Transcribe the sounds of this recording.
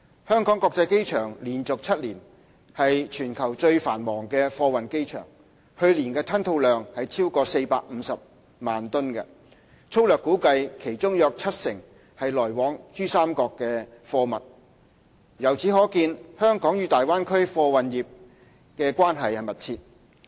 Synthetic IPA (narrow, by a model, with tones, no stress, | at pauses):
hœː˥ŋkɔː˨˥ŋkɔː˧k̚t͡sɐ˧jke˥jt͡ʃʰœː˨˩ŋliː˨˩nt͡sʊ˨k̚t͡sʰɐ˥t̚liː˨˩n | hɐ˨jt͡ʃʰyː˨˩nkʰɐ˨˩wt͡ʃɵ˧ɥfaː˨˩nmɔː˨˩ŋkɛː˧fɔː˧wɐ˨nke˥jt͡ʃʰœ̰ː˨˩ŋ | hɵ˧ɥliː˨˩nkɛː˧t̪ʰɐ˥nt̪ʰo˧wlœː˨ŋhɐ˨jt͡sʰiː˥wkɔː˧se˧jpa̰ː˧k̚m̩˨˧sɐ˨p̚ | maː˨nt̪ʊ˥nkɐ̰˧ | t͡sʰo˥wlœː˨kːuː˨˥kɐ˧jkʰe˨˩jt͡ʃʊ˥ŋjœː˨˧k̚t͡sʰɐ˥t̚sɪ̰˨˩ŋ | hɐ˨jlɔː˨˩jwɔː˨˥ŋt͡ʃyː˥saː˥mkɔː˧kːɛ˧fɔː˧mɐ˨t̚ | jɐ˨˩wt͡sʰiː˨˥ɦɔː˨˥kiː˧nhœː˥ŋkɔː˨˥ŋjyː˨˧t̪aː˨jwaː˥nkʰɵ˥ɥfɔː˧wɐ˨njiː˨p̚ | kɛː˧kʷaː˥nɦɐ˨jhɐ˨˩mɐ˨t̚t͡sʰiː˧t̚